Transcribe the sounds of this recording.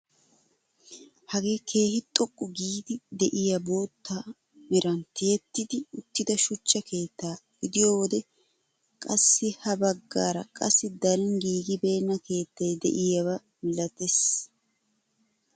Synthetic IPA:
hɐɡe̞ːkʰe̞ːhɪt̪ʼɔkʼːʊɡiːd̪ɪd̪ɛʔɪjɐbo̞ːt̪ːa | mɛɾɐnt̪ɪjɛt̪ːɪd̪ɪʊt̪ːɪd̪ɐʃʊt͡ʃːɐkʰe̞ːt̪ːaːɡ̥ɪd̪ɪjoːwɔd̪ɛ | kʼɐsːɪhɐbɐɡːaːɾɐkʼɐsːɪd̪ɐlɪŋɡiːɡɪbe̞ːnːɐke̞ːt̪ːɐjd̪ɛ̰ʔɪjɐwɐ | mɪlɐt̪es

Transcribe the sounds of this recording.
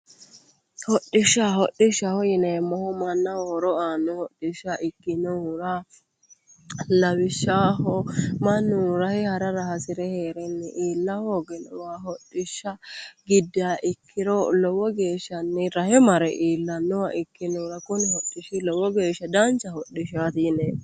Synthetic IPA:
hɔɗːɪʃːaɦɔɗːɪʃːɐhɔjɪnɛmːɔhɔmɐnːɐwoːɾɔaːnːɔhɔɗːɪʃːaʔɪkːɪnʊɾɐ | lɐwɪʃːaːhɔmɐnːʊɾɐhɪhɐɾɐɾɐhɐsɪɾɛheːɾɛnːɛʔiːlːɐhoːɡɛnɔ̰waːɦɔɗːɪʃːɐɡɪd̪ːɪaːʔɪkʰːɪɾɔlɔwɔɡe̞ːʃːɐnːɪɾɐhɛmɐɾɛʔiːlːɐnːɔwa̰ʔɪkːɪnɔɾɐkʊnɪhɔɗːɪʃɪlɔwɔɡe̞ːʃːɐd̪ɐnt͡ʃːɐhɔɗːɪʃat̪jɪnɛː

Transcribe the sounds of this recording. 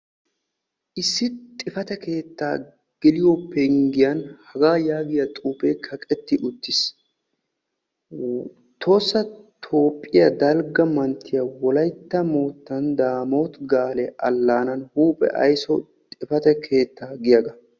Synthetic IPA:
ʔɪsːɪt̪ʼɪfɐt̪ɛke̞ːt̪ːa̰ː | ɡ̥ɪlɪjopːɛŋɡɪjɐnhɐɡaːjaːɡɪjɐt̪ʼuːpekʰɐkʼɛt̪ːɪʔʊt̪ːɪs | t̪ʰo̞ːsːɐt̪ʰo̞ːpʼːɪjɐd̪ɐlɡɐmɐnt̪ʰːɪjɐwɔlɐjt̪ːɐmoːt̪ːɐnd̪aːmoːt̪ɡaːlɛʔɐlːaːnɐnhuːpʼɛ̰ʔɐ̰jsɔtt̪ʼɪfɐt̪ɛkʰe̞ːt̪ːaːɡɪjɐɡɐ

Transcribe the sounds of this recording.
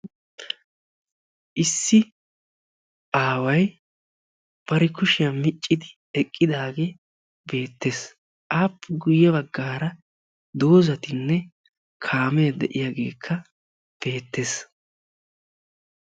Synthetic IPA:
ʔɪsːɪ | ʔaːwɐj | b̥ɐɾɛkʊʃɪjɐmɪt͡ʃʼːɪd̪ɪ | ɛkʼːɪd̪aːɡe̞ː | be̞ːt̪ːe̞ːs | ʔaːpːɡʊjːɛbɐɡːaːɾɐ | d̪o̞ːzɐt̪ɪnːɛ | kʰaːmɛjɐd̪ɛ̰ʔɪjaɡe̞ːkʰːɐ | b̥e̞ːt̪ːe̞ːs

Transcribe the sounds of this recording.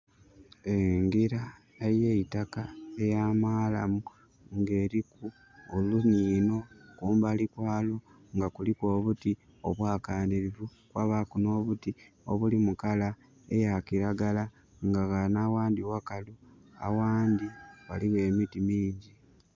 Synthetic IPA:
eŋɡiɾa | ejeitakaejamaːlamu | ŋɡe̞ːɾiku | oluniːno̞kuːmbalikwaːlo | ŋɡakuliko̞ːβuti | oβwaːkaːniɾivukwaβakuno̞ːβuti | o̰βulimukala | ḛjakiɾaɡala | ŋɡaɣanawaːndiwakalua̰waːndiwa̰liwe̞ːmitimiːɲɟi

